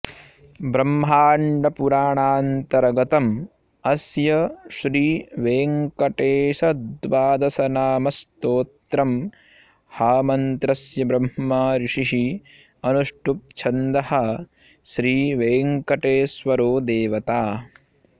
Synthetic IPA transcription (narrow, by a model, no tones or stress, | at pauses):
bɾɐmɦaːɳɖɐpuɾaːɳaːnt̪ɐɾɐɡɐt̪ɐm | ɐsjɐʃɾiːʋeːŋkɐʈeːsɐd̪ʋaːd̪ɐsɐnaːmɐst̪oːt̪ɾɐm | haːmɐnt̪ɾɐsjɐbɾɐmhɐːaːɾiʂiɦi | ɐnuʂʈup̚t͡ʃʰɐnd̪ɐhɐ | ʃɾiːʋeːŋkɐʈeːsʋɐɾoːd̪eːʋɐt̪aː